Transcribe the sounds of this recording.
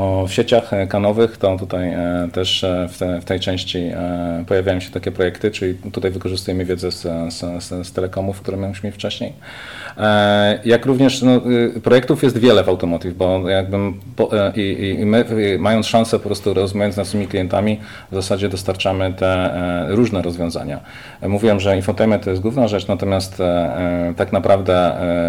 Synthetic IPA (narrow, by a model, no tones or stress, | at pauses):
fɕet͡ɕaxkanɔvɘxt̪ɔt̪ut̪ajt̪ɛʂft̪ɛft̪ɛjt͡ʂɛ̃w̃ɕt͡ɕipɔjavʲjajɔ̃ɕɛt̪akʲɛpɾɔjɛkt̪ɘt͡ʂɘlʲit̪ut̪ajvɘkɔʐɘst̪ujɛmɘvʲjɛd̪zɛsssst̪ɛlɛkɔmufkt̪uɾɛmauɕmʲeft͡ʂɛɕɲej | jakɾuvɲɛʂnɔpɾɔjɛk̚t̪ufjɛs̬t̪vʲjɛlɛvawt̪ɔmɔt̪ivbɔjaɡ̚bɘpɔʔimɘmajɔnsʂãñsɛpɔpɾɔst̪uɾɔzumujɔnnaʂɘmʲiklʲijɛnt̪amʲi | vzasad͡ʑɛd̪ɔst̪aɾt͡ʂamɘt̪ɛɾuʐnɛɾɔzvʲjɔ̃w̃za̰ɲa̰ | muvʲiwɛmʐɛinfɔt̪ɛjmɛt̪ːɔjɛst̪ɡwuvnaʐɛt͡ʂnat̪ɔmʲjast̪ | t̪aknapɾavd̪ɛ